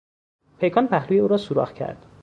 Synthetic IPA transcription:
pʰejkʰɒːnpʰæhluːjeuːɾɒːsuɾɒ̰ːxcʰæ̰ɾd̪̥

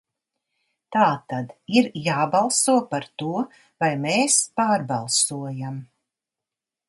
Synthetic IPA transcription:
t̪aːt̪ad̪iɾjaːbalˠsuɔpaɾt̪uɔ | vajmeːspaːɾbalˠsuɔjam

